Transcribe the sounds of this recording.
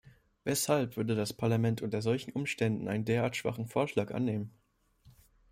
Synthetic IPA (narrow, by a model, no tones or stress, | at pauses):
vɛshalpv̥ʏɐdədaspʰaɐlamɛntʔʊntɐzɔlçn̩ʔʊmʃtɛndn̩ʔaɪnəndeːɐʔaːɐtʃv̥a̰χn̩foːɐʃlaːkʔa̰nːeːmən